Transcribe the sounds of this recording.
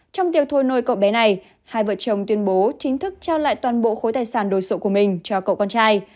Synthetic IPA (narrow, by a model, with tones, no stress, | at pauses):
t͡ɕɔ˧wŋ͡mt̪i˨˩əw̚t̪ʰo˧jno˧˩jkə̰˧˨wɓɛ˨˦na˨˩j | haː˧˩jvə̰˧˨t͡ɕə˨˩wŋ͡mt̪wi˧ənɓo˨˦t͡ɕï˨˦ŋ̟t̪ʰɨ˦˥k̚t͡ɕaː˧wla̰ː˧˨jt̪waː˨˩nɓo̰˧˨xo˨˦jt̪aː˨˩jsaː˧˩nɗo˨˩jso˨˦ku˧˩əmï˨˩ŋ̟t͡ɕɔ˧kə̰˧˨wkɔ˧nt͡ɕaː˧j